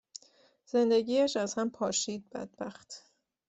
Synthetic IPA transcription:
z̥e̞nd̪e̞ɟiːæʃæz̥hæmpʰɒːʃiːd̪̚bæ̰d̪̥̚bæxt̪

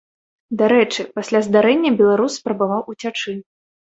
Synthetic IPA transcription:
d̪aɾɛt͡ʂɨpasʲlʲazd̪aɾɛnʲːɐbʲɛlˠaɾusːpɾɐbavawut͡sʲat͡ʂɨ

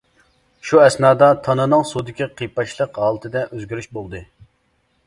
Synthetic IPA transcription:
ʃuɛsnɑːd̪ɑt̪ʰɑnɨnɨŋsud̪ɪkʲiqʰəjpːɑʃlˠəqɦɑːlˠɨt̪ʰɨd̪ɛʔøzɡʲyɾyʃbolˠd̪ɨ

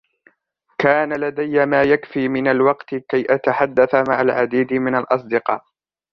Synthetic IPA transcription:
kaːnalad̪ajːamaːjakfiːmɪnalwɑqt̪ɪkajʔat̪aħad̪ːaθama̰ʕalʕad̪iːd̪ɪmɪnalʔɑs̬ˤd̪ɪqɑ̰ːʔ

